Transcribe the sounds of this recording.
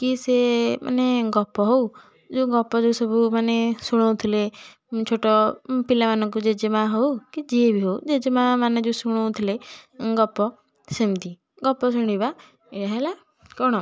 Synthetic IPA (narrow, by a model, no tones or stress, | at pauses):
kisemʔa̰neɡɔpɔɦou | d͡ʒuɡɔpɔd͡ʒusɔbʱumanesuɽ̃ɔwt̪ʰile | t͡ʃʰoʈɔpilamanɔ̃ŋk̬ud͡ʒed͡ʒemãɦoukid͡ʒiebʱiɦoud͡ʒed͡ʒemãmaned͡ʒusuɽ̃ɔt̪ʰileɡɔpɔ | semt̪i | ɡɔpɔs̬uɽ̃iba | eɽaɦela | kɔɽ̃ɔ